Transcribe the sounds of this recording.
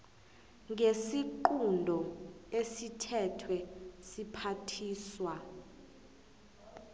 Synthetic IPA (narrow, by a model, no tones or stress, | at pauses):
ŋesiǃundʱɔesitʰɛtʰwɛsipʰatʰiːswa